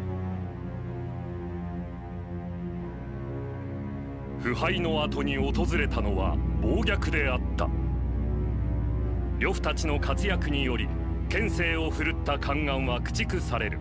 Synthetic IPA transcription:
ɸɯ̟haino̞at̪o̞ɲ̟io̞t̪o̞zɨɾe̞t̪ano̞βa̰bo̞ːɡʲakɯ̟d̪e̞at̪ːa̰ | ɾʲo̞ɸɯ̟̥t̪at͡ɕino̞kat͡sɨjakɯ̟ɲ̟ijo̞ɾʲi | kẽ̞ɰ̃se̞ːo̞ɸɯ̟ɾɯ̟t̪ːakʰãŋɡãɰ̃βakɯ̟̥t͡ɕikɯ̟saɾe̞ɾɯ̟̰

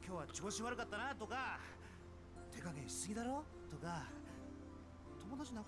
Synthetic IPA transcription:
kʲo̞ːβat͡ɕooɕiβaɾɯ̟kat̪ːanat̪o̞ka | t̪e̞kakẽɕi̥sɨɡʲid̪aɾo̞ː | t̪o̞ka | t̪o̞mo̞d̪at͡ɕina

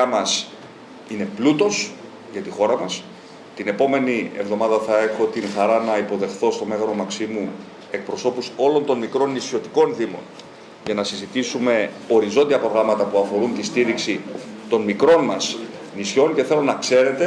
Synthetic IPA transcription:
ɐmɐs | ine̞plut̪o̞s | ʝɐt̪ixo̞ɾɐmɐs | t̪ine̞po̞me̞nie̞̰vðo̞mɐðɐθɐe̞xo̞t̪inxɐɾɐnɐipo̞ðe̞xθo̞st̪o̞me̞ɣɐno̞mɐksimu | e̞k̚pɾo̞so̞puso̞lo̞nt̪o̞nmikɾo̞nːisço̞t̪i̥ko̞nθimo̞̰n | ʝɐnɐsizit̪isume̞ | o̞ɾizo̞nd̪iɐpɾo̞ɣɾɐmɐt̪ɐpuɐfo̞ɾunt̪ist̪iɾiksit̪o̞nmikɾo̞nmɐsnisço̞nce̞θe̞lo̞nɐkse̞ɾe̞t̪e

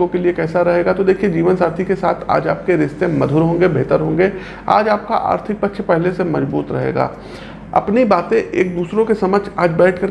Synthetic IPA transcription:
õkeliekɛːsaɾɐɦeːɡat̪od̪eːkʰied͡ʒiːʋənsaːɾt̪ʰikesaːt̪ʰa̰ːd͡ʒaːp̚keɾɪst̪ẽmɐd̪ʱuːɾɦõːŋɡebeːt̪əɾɦõːŋɡe | a̰ːd͡ʒaːp̚ka̰ʔa̰ːɾt̪ʰɪk̚pɐtːʃʰpɛɦlesemɐzbuːt̪ɾɐ̰ɦḛːɡa̰ː | ɐ̰pnibaːt̪ẽʔeːk̚d̪uːsɾõkesɐməd͡ʒaːd͡ʒbɛːʈʰkɐɾ

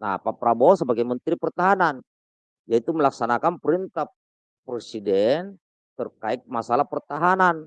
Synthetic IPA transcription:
na̰papɾabɔsəbaɡajmənt̪ɾipərt̪aɦanan | jait̪uməlaksanakanpəɾint̪a | pɾɛsidɛn | t̪ərkaik̪̚masalapərt̪aɦanan

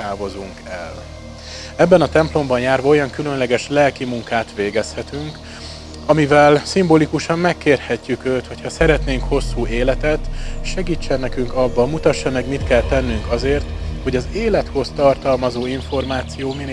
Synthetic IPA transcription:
aːvo̞zuŋkɛl | ɛbːɛnɒt̪ɛmplo̞mbɒnjaːrvɒo̞jɒŋkylø̞nlɛɡɛʃlɛlkimuŋkaːt̪ʋeːɡɛshɛt̪yŋk | ɒmivɛlsimboːlikuʃɒmːɛkːeːrhɛcːykøːt̪ho̞chɒsɛɾɛt̪neːŋkho̞sːuːeːlɛt̪ɛt̪ʃɛɡiːt͡ʃːɛnːɛkyŋkɒbːɒmut̪ɒʃːɒmɛɡmit̪kɛlt̪ɛnːyŋkɒzeːrt̪ho̞ɟɒzeːlɛt̪ho̞st̪ɒrt̪ɒlmɒzoːiɱfo̞rmaːt̪sijoːmin

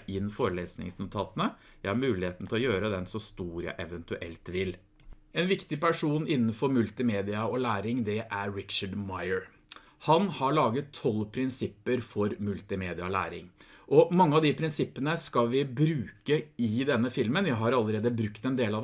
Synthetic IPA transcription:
ɪnfoːɾəleːsnɪ̰ŋsnʊt̪ʰɑːt̪ənə | jæɪhɑɾmʉːlɪheːt̪n̩t̪ʰɪlɔjøːɾəd̪ɛnsɔst̪uːɾjæ̰ɪʔɛʋənt̪ʉʔɛ̰lt̪ʋɪl | ɛnʋɪkt̪ɪpæʂuːnɪnːənfɔɾmʉlt̪ɪmeːd̪ɪɑɔlæːɾɪŋd̪ɛʔæɾɹɪt̪t͡ʃəɖmɑɪəɹ | hɑnhɑɭɑːɡət̪ʰːɔlpʰɾɪnsɪpːəɾfɔɾmʉlt̪ɪmeːd̪ɪɑlæ̰ːɾɪ̰ŋʔɔmɑŋːəɑʋd̪ɪpʰɾɪnsɪpːənəskɑlʋɪbɾʉːkəɪd̪ɛnːəfɪlmənjæɪɦɑɾɑlːəɾeːd̪əbɾʉkt̪ɛnd̪eːlɑd̪

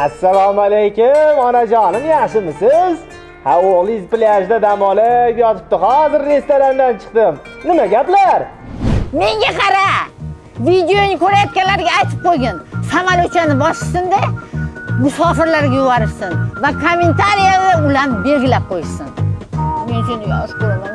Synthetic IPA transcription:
asːalˠɒmalejkʲʊmɒnad͡ʒɒnɪmjaχʃɪmɪsɪz | haoʁlˠɪzpɪlaʃd̪ad̪amɒlapjɒt̪ɪp̚t̪ɪhɒzɪɾːe̞st̪oɾand̪ant͡ʃʰɨ̥qt̪ɪm | nɪmaɡʲaplaɾ | me̞ŋɡʲaqʰɑɾa | vid̪ejonɪkʰɵɾajɒt̪kʲanlaɾɡʲaːjt̪ʰɪ̥p̚qʰojɡʲansamalʊt͡ʃʰanɪbɒʃɪsɪnd̪e | mʊsɒfɪɾlaɾɡʲajʊbɑɾɪʃsɪnvakʰomːe̞nt̪ʰaɾijad̪aʊlanbe̞lɡʲɪlap̚qʰojɪsɪnme̞nʃʊnd̪ɪɡʲaɒzkoɾaman

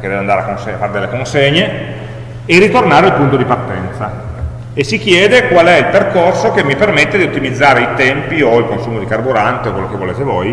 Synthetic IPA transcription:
ked̪ɛveand̪aːɾeakːonseafːaːɾed̪elːekonseɲːe | erit̪ornaːɾealpunt̪od̪ipart̪ɛnt̪sa | esːik̟jɛːd̪ekwalɛilperkorsokemːipermet̪ːed̪iot̪ːimid̪zːaːɾeit̪ɛmpioilkonsuːmod̪ikarbuɾant̪eokwelːokevːoleːt̪evoj

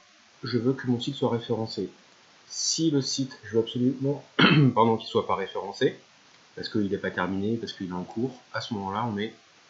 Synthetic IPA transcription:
ʒəvøkəmɔ̃sit̪swaʁefeʁɑ̃se | siləsit̪ʒəvøabsɔlymɑ̃paʁd̪ɔ̃kʲilswapaʁefeʁɑ̃se | paʁsə̥kəilɛpat̪ɛʁminepaʁsə̥kəilaɑ̃kʰuːʁasəmɔmɑ̃laɔ̃nɛ

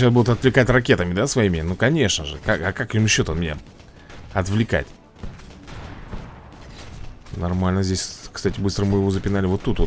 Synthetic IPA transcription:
ɕasbud̪ʊt̪ɐt̪vlʲɪkatʲrɐkʲe̞t̪əmʲɪd̪asvɐimʲɪnukɐnʲe̞ʂnəʐɨkakakakjɪmɕːot̪ənmʲɪnʲa̰ | ɐt̪vlʲɪka̰tʲ | nɐrmalʲnəzʲdʲesʲkst̪atʲɪbɨst̪ɾəmɨjɪvo̞zəpʲɪnalʲɪvo̞t̪ːut̪vo

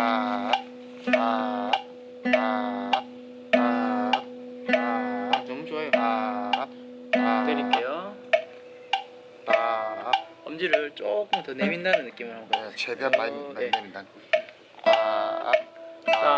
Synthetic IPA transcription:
a | a | a | a | t͡ɕomt͡ɕoa | akɯɾik͈ejo | pa | ʌmd͡ʑiɾɯɭt͡ɕ͈ok͈ɯmtʌnemindanɯnːɯk͈imɯɭhaɭɡost͡ɕedeamameemindan | a̰ | a

